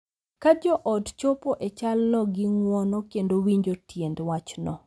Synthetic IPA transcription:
kad͡ʒɔʔɔdt͡ʃopɔʔet͡ʃalnɔɡɪŋwɔnɔkendowiɲd͡ʒotjendwat͡ʃnɔ

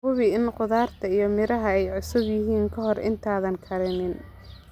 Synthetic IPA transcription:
ʊβɪɪnqʊðaːrt̪ʰɐijɞmɪɾɐɦɐɛjʕʊsʊbjɪɦiːŋkʰɐɦɔrʔɪ̰nt̪ʰaːðɐnkʰɐɾɛnɪn

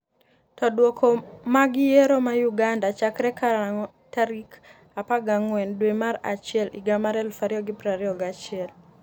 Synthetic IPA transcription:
tɔdwɔkʰɔmaɡɪjeɾɔmajuɡandat͡ʃakɾɛkʰaɾaŋɔ | taɾik | apaɡaŋwɛndwemaɾa̰t͡ʃɪɛlḭɡamaɾɛlfaɾiɔɡɪpɾaɾiɔɡat͡ʃɪɛl

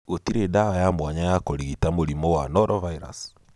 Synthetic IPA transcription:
otiɾeːdaɔjamwaɲajakoɾiɣitamoɾimɔwanɔɾɔvaiɾa̰s

